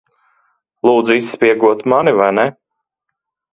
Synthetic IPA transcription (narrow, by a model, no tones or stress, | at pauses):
lˠuːd̪zuisːpʲiɛɡuɔt̪manivajnɛ